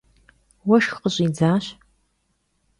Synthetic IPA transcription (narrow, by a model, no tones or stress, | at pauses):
wɐʃxqəɕʼiːd͡zaːɕ